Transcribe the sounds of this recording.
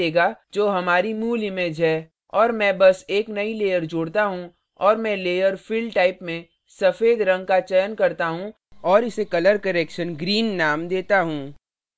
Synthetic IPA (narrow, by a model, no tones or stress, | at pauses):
eːɡad͡ʒoːɦɐmaːɾimuːlɪmeːd͡ʒɦɛː | ɔːɾmɛ̃ːbɐseːknɐileːjəɾd͡ʒʊɽt̪aɦũ | ɔːɾmɛ̃ːleːjəɾfɪlɖʈaːɪpmẽ | sɐfeːd̪ɾɐ̃ŋɡ̚kat͡ʃəjənkɐɾt̪aɦũ | ɔːɾɪsekɐləɾkɐɾeːkʃənɡɾiːnːaːmd̪eːt̪aɦũː